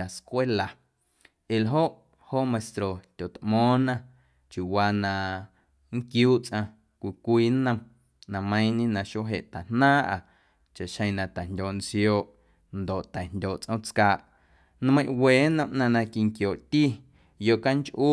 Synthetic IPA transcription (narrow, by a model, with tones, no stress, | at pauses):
a˨skʷe˦la˨ | ʔe˨lɦo˦ʔ | ho˦ʔmẽ˨st̪ɾo˨t̪ʲo˨t̪ʔmɔ̃ː˨˦nã˧ | t͡ʃju˨waː˧nã˧˨ | ŋkjuː˦t͡sʔã˧ | kʷi˧˨kʷiː˦nə̃˧m | nã˧mə̃˦j̃ɲĩ˦nã˧ʃo˦ɦḛ˨ʔt̪a˨nnãː˦ʔa̰˨ | t͡ʃa˨ʔʃə̃˧j̃nã˧˨t̪ɛ˨ndʲoː˨ʔnt͡sjoː˧˨ʔ | nd̪o˨ʔt̪ɛ˨ndʲoː˨ʔt͡sʔə̃˦t͡skaː˧˨ʔ | n˦mə̃˦j̃ʔweː˨˦nə̃˧mʔnã˧nã˧ki˧ŋkjoː˨ʔt̪i˦ | jo˧˨ʔka˦ŋt͡ʃʔu˦